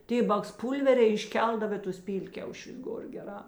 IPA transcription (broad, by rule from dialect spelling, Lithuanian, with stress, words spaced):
ˈtʲeː bɐksˈpuːlʲʋʲɛrʲɛɪ ɪʃʲˈkʲɛlˠdɐw eː ˈtʊs ˈpʲiːlʲkʲɛʊʃʲʊs ˈɡoːr ɡʲɛˈrɑː